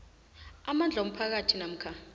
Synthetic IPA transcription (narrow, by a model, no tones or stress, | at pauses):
amand͡ɮʱaom̩pʰak̬atʰinam̩kʰa